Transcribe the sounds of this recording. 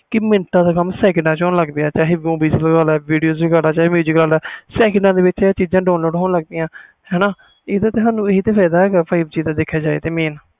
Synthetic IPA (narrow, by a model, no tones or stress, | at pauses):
kɪmɪnʈãːd̪aːkəmsɛːkɳɖãːt͡ʃɔːnləɡd̪eːaːt͡ʃaːɦeːɡõːbiːsləɡaːlɛːʋiːɖijoːzbiɡaːɽaːt͡ʃaːeːmjuːzɪklaːlɛːsɛːkəɳɖãːd̪eːʋɪt͡ʃːt͡ʃiːd͡ʒãːɖaːnloːɖɦoːnləɡd̪iːãː | hɛːnaː | eːd̪aːt̪eːɦaːnũːeɦiːt̪eːpʰɛːd̪aːɛːɡaːpʰaːibt͡ʃiːãːd̪eːkʰːjaːd͡ʒaːḛːt̪eːmẽːn